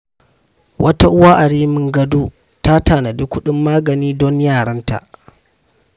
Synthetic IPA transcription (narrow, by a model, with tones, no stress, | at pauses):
wʔɐ˦ta˦ʔʊ˦waː˦ʔa˨ɽiː˦mɪ˦ŋɡɐ˦duː˦ | ta˦taː˨nɐ˨dɪ˦kʷʊ˦ɗɪ˦mːaː˦ɡɐ˨niː˦dɔ˦ɲjaː˦˨ɽɐ˦nta̰˨ʔ